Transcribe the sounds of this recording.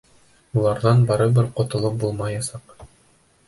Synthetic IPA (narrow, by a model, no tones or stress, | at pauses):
ulˠɑɾðɑnbɑɾɤbɘɾqŏt̪ŏlˠɤp̚bulˠmɑjɑsɑq